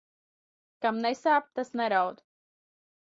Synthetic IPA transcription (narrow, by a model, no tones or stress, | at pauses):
kamnɛsaːp̚t̪asnɛɾawd̪